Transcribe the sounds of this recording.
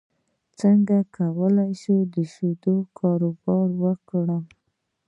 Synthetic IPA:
t͡səŋɡakʰawəlajʃud̪əʃud̪okʰɑɾobɑɾwəkɽə

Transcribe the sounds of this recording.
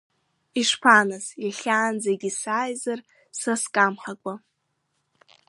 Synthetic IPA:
iʂpʰanazjaɬʲaːnd͡zaɡʲisaːjzar | saskʼamħakʷʼa

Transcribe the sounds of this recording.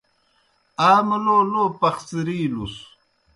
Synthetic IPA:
aːmɐloːloːpɐxt͡siɾiːlus

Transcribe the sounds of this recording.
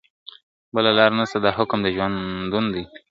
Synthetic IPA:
bəlalɑɾnast̪ad̪ɑhʊkmd̪əʒwand̪und̪i

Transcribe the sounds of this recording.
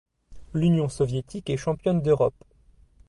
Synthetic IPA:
lynjɔ̃sɔvjet̪ikɛʃɑ̃pjɔnd̪øʁɔp

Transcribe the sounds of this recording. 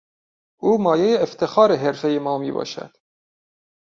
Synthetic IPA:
uːmɒːjejeːft̪ʰexɑːɾeɦeɾfejemɒːmḭːbɒ̰ːʃæ̰d̪̥

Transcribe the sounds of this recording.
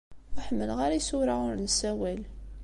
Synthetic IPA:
aħmːəlʁaɾajsʊɾaʊɾnsæwæl

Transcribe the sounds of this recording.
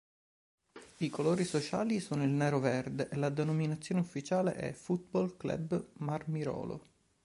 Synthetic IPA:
ikoloːɾisot͡ʃa̰ːlisoːnoilnɛːɾovɛrd̪eʔelad̪enominat̪sːjoːneufːit͡ʃaːlḛʔɛ̰fut̪̚bɔlklɛ̰bmarmiɾɔ̰ːlo̰

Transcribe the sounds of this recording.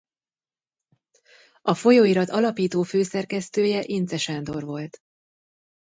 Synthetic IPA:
ɒfo̞joːiɾɒt̪ɒlɒpiːt̪oːføːsɛrkɛst̪øːjɛʔint̪sɛʃand̪o̞rvo̞lt̪

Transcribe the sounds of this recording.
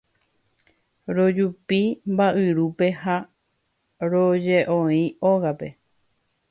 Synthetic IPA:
ɾo̞d͡ʒupimbaʔɨɾupe̞ha | ɾod͡ʒeʔõĩoɣape̞

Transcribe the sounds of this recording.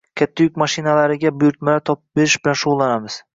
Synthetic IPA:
kʲʰat̪ʰːajʊkʲmaʃɪnalaɾɪɡʲabʊjʊɾt̪malaɾt̪ʰɒpbe̞ɾɪʃb̥ɪlanʃʊʁʊlˠːanamɪz̥

